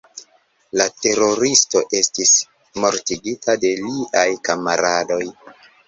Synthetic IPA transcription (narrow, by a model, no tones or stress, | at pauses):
late̞ɾo̞ɾisto̞ʔe̞stis | mo̞ɾtiɡitʰade̞liʔajkamaɾado̞j